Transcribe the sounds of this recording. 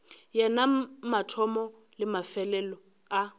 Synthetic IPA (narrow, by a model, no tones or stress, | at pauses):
jɛnamatʰɔmɔ | lɪmafɛlɛlɔ | a